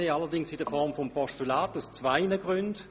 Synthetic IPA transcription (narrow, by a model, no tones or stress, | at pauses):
eːalɐdɪŋsɪdəfɔʁmfɔmpʰɔʃtulaːtaʊst͡svaɪnəɡ̥ʁʏnd